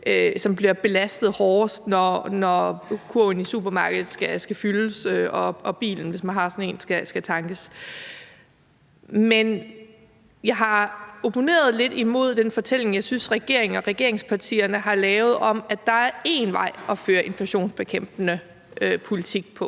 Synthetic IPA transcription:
øsɒ̽mb̥liɐb̥e̝læsd̥ð̞̩ˠhɒːsd̥nɒnɒkʰuinisub̥ɐmɑ̈ːɡ̥əð̩ˠsɡ̥æsɡ̥æfylsøɒ̽ɒ̽b̥ḭːln̩ʋe̝smænɦɑ̈sɒ̽ne̝̰ːnsɡ̥æsɡ̥æt͡sʰɑ̈ŋɡ̥əs | men | jɑ̈ɪɦɑ̈o̝pʰo̝ne̝̰ːɐð̞̩ˠle̝d̥imo̝ð̞̰ˠd̥enfɒ̽t͡sʰel̰e̝ŋjɑ̈ɪsynsʁɛɡ̥e̝ɐ̰e̝ŋn̩ɒ̽ʁɛɡ̥e̝ɐ̰e̝ŋspʰɑ̈t͡sʰḭːɐnəɦɑ̈lɛːʊð̞̩ˠɒ̽mæ̥d̥ɑ̈æɐe̝nʋɑ̈ɪ̰ɒ̽føːɐʔe̝nflæɕo̝̰ːnsb̥e̝kʰem̰b̥nə | ʔøpʰo̝lit͡sʰiɡ̥̚pʰɒ̽

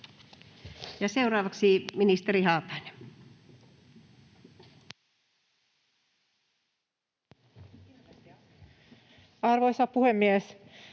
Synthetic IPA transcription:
jɑseurɑːʋɑksiminist̪eɾihɑːp̪ˑɑine | ɑrʋoisɑpuhemːies

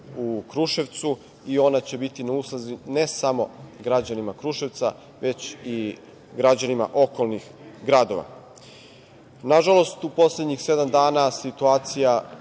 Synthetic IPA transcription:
ukɾuʃeʋt̪su | io̞nat͡ɕe̞bit̪inauslˠazine̞samo̞̰ɡɾad͡ʑanimakɾuʃe̞ʋt̪sa̰ | ʋe̞t͡ɕi | ɡɾad͡ʑanima̰ʔo̞ko̞lˠnix | ɡɾad̪o̞ʋa̰ | naʒalo̞st̪upo̞sled̪ɲixse̞d̪amd̪aːnasit̪uaːt̪sija

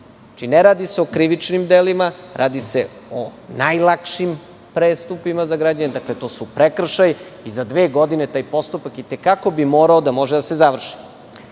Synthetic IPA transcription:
at͡ʃineɾaːd̪iseo̞kɾiʋit͡ʂnimd̪elimaɾʔaːd̪ise̞ | onajlˠakʃim | pɾeːst̪upimazaɡɾaːd͡ʑaɲed̪aklet̪o̞ːsupɾekr̩ʃajizad̪ʋe̞ːɡo̞d̪ine̞t̪aːjpo̞st̪upakit̪ekako̞bimo̞ːɾaod̪amo̞ʒed̪asezaʋr̩ʃi̥

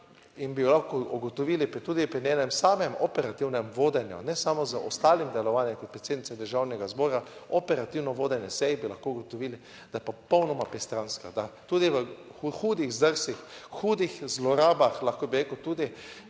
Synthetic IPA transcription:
inbijɔlaxkouɡot̪ɔʋilipɾit̪uːd̪ipɾinenɛmsaːmɛmɔpɛɾat̪iwnɛmʋoːd̪ɛnjṵnɛsamɔzəʔɔst̪aːlimd̪ɛlɔʋanjɛmkɔt̪pɾet̪sed̪nitt͡s̪sɛd̪əɾʒawnɛɡazbɔːɾaopɛɾat̪iwnɔʋoːd̪ɛnjɛsɛjbilaxkouɡot̪ɔʋili | d̪ajɛpɔpɔwnɔmapɾɛst̪ɾanska̰d̪at̪uːd̪iʋəxuːd̪ixzd̪əɾsʋixxuːd̪ixzlɔɾaːbaxlaxkobiɾekəwt̪uːd̪i

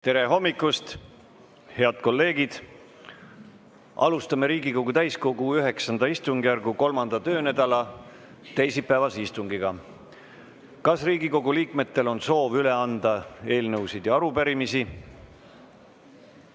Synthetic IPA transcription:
t̪e̞ɾe̞ɦo̞mːikːˑust̪ | he̞ɑd̪̥ko̞lːe̞ːɡ̥id̪̥ | ɑ̰lust̪ɑme̞ɾiːɡiko̞ɡut̪æjskoɡuyɦe̞ksɑnd̪ɑist̪uŋɡ̥jærɡuko̞lmɑnd̪̥ɑt̪ø̞ːnæd̪̥ɑlɑ | t̪e̞jsipːˑæːvɑseist̪uŋɡiɡ̥ɑ | kɑsriːɡiko̞ɡuliːkme̞t̪ːe̞lo̞nso̞ːvyle̞ɑnd̪̥ɑe̞ːlnɤwsid̪̥jɑɑɾupæɾimisi

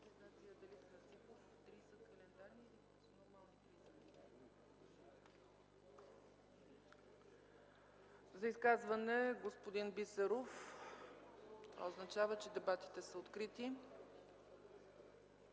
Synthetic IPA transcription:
ɛnat̪sijəd̪ɛlisnɐɾt̪sipoft̪ɾisəkɐlɛnd̪aɾnilikɐsnoɾmalˠnik̪ɾizəni | zɐiskazvɐnɛɡospod̪inbisɛɾof | oznɐt͡ʃavət͡ʃɛd̪ɛbat̪i̥t̪ɛsəot̪kɾit̪i

